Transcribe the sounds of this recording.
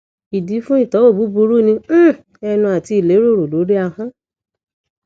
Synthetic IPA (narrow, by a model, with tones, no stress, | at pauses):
i˨di˨˦fũ˦i˦˨tɔ˨˦o˦˨bu˨˦bu˧˦ɾu˦nĩ˧˦ | ɛ˧nũ˧a˨ti˧i˦˨le˨˦ɾo˦˨ɾu˨lo˨˦ɾi˦a˧hã˦